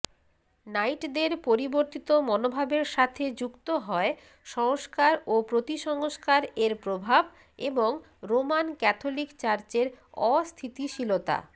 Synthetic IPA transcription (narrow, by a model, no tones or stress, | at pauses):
najʈd̪eɾpoɾiboɾt̪it̪omɔnobʱabeɾʃat̪ʰed͡ʑukt̪oɦɔe | ʃɔŋoʃkaɾopɾot̪iʃɔŋoʃkaɾeɾpɾobʱab | eboŋ | ɾomankɛt̪ʰolikt͡ɕaɾt͡ɕeɾɔst̪ʰit̪iʃilot̪a̰